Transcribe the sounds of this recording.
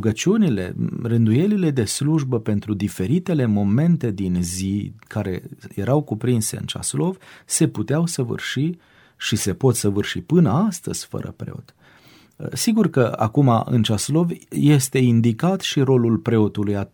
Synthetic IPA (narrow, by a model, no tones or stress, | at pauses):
ɡət͡ʃiunile̞̰rɨnd̪uje̞lile̞d̪e̞sluʒbəpe̞nt̪ɾud̪ife̞ɾit̪e̞le̞mo̞me̞nt̪e̞d̪inzikʰaɾe̞̰je̞ɾʔawkupɾinse̞ɨ̰nt͡ʃa̰slo̞vse̞put̪eawsəvɨ̰rʃi | ʃise̞po̞t̪səvɨrʃipɨnəast̪ə̰z̥ʲfə̰ɾə̰pɾḛo̞̰t̪ | siɡurkəa̰kuma̰ʔɨ̰nt͡ʃaslo̞vje̞st̪e̞ind̪ikat̪ʃiɾo̞lulpɾe̞o̞t̪uluja